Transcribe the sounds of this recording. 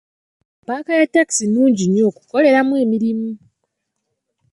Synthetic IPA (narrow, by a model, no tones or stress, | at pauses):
paːkajatːaki̥sinuːɲɟiɲo̞ːku̥ko̞le̞ɾamwe̞ːmiɾimu